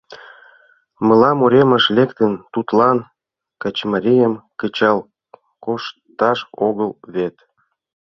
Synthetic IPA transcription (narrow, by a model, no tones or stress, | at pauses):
mə̆lɑmoɾʲemə̆ʃlʲekt̪ənt̪ut̪lɑn | kɑt͡ɕmɑɾʲijəmkət͡ɕɑl | koʃt̪ɑʃoɣəlβet̪